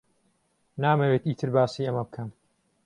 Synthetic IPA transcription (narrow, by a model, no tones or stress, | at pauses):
naːmɐweːt̪iːt̪ʰɨɾbaːsiːɐmɐbɨkʰɐm